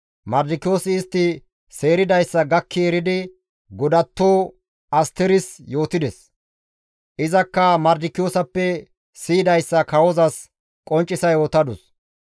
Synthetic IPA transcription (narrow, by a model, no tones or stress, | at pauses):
mɐɾd̪ɪkːɪjo̞ːsɪːst̪ːɪ | se̞ːɾɪd̪ɐjsːɐɡɐkʰːɪɛɾɪd̪ɪ | ɡɔd̪ɐt̪ːo̞ː | ɐst̪ɛɾɪsjo̞ːt̪ɪd̪ɛs | ʔɪzɐkːɐmɐɾd̪ɪkːɪjoːsɐpːɛ | siːd̪ɐjsːɐkɐwɔzɐs | kʼɔnt͡ʃʼːɪsɐjoːt̪ɐd̪ʊs